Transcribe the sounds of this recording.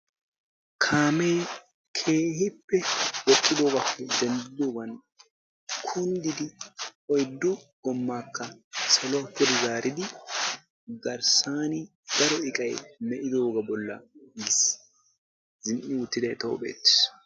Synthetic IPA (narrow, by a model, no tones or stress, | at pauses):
kʰaːmej | kʰe̞ːhɪpːɛwɔkːɪd̪o̞ːɡɐpːɛd̪ɛnd̪ɪd̪oːɡɐn | kʰʊnd̪ɪd̪ɪɔjd̪ːʊɡɔmːaːkːɐsɐlɔɐpːʊd̪ɪzaːɾɪd̪ɪ | ɡɐɾsaːnɪ | ɡ̪̥ɐɾɔɪkʼɐjmɛʔɪd̪o̞ːɡɐbɔlːɐ̰mɪs | zɪnʔːɪwʊt̪ːɪd̪ɐjt̪o̰ːbḛːt̪ːɪ̥s